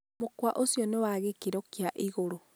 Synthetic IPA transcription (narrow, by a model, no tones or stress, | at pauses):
mokwaʔosjɔnewaɣekiɾɔkiaʔiɣoɾo